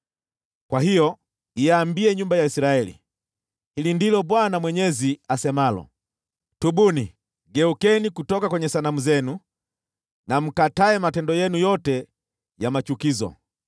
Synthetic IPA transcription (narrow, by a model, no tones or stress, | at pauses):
kwaɦijɔ | iaːmbiɛɲumbajaisiɾaɛlḭ | hilindilɔɓwanamwɛɲɛziasɛmalɔ̰ | tuɓuni | ɡɛukɛnikutɔkakwɛɲɛsanamuzɛnu | nam̩kataɛmatɛndɔjɛnujɔtɛ | jamat͡ʃukizɔ̰